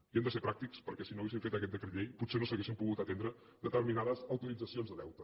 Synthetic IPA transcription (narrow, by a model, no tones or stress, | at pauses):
iand̪əseɾpɾak̚t̪ikspəɾkɛsinoəwɣesiɱfet̪əkɛt̪̚d̪əkɾiʎejput̪senosəɣesimpuɣut̪ət̪end̪ɾə | d̪ət̪əɾminaðəzəwt̪uɾid͡zəsionzðəðɛwt̪ə